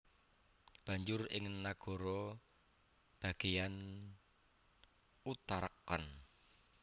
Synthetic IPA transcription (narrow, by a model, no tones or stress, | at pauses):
b̥a̤ɲd͡ʒʊrɪ̰ŋnaɡ̥ɔ̤ɾɔ | b̥a̤ɡ̥ejan | ut̪aɾəkːən